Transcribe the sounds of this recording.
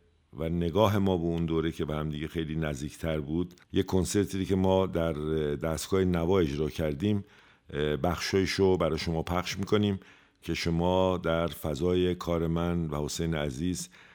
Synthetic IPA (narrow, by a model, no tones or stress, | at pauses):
væne̞ɡɒːɦe̞mɒːbeund̪oːɾecʰebehæmd̪iːɟe̞xe̞jliːnæzd̪iːcʰt̪ʰæɾbuːd̪jekʰːo̞nse̞ɾt̪ʰiːɾiːcʰe̞mɒːd̪æɾd̪æst̪ɡ̥ɒːhenævɒːe̞d͡ʒɾɒːcʰæɾd̪iːm | bæxʃɒːjiʃobæɾɒːjeʃo̞mɒːpʰæxʃmiːkʰo̞niːm | cʰe̞ʃo̞mɒːd̪æɾfæzɒːje̞kʰɒːɾe̞mænvæho̞sejneæziːz